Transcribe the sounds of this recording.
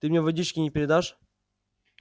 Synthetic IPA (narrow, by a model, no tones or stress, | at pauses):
t̪ɨmʲɲʲevɐdʲit͡ɕkʲɪnʲɪpʲɪɾʲɪd̪aʂ